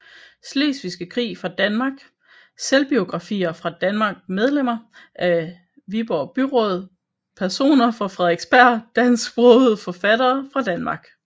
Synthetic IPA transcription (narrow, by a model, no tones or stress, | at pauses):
sle̝̰ːsʋisɡ̥əkʰʁḭːfʁɑ̈d̥ænmɑ̈ːɡ̥ | selb̥io̝ɡ̥ʁɑ̈fḭːɐfʁɑ̈d̥ænmɑ̈ːɡ̥̚með̞ˠlem̰ɐ | ʔæ | ʋib̥ɒb̥yʁɔ̽ð̞ˠ | pʰæɐso̝̰ːnɐfɑ̈fʁɛðˠeɡ̥sb̥æɐ̰d̥æn̰sɡ̥b̥ʁɔð̩ˠfɒ̽fæd̥ɐːfʁɑ̈d̥ænmɑ̈ːɡ̥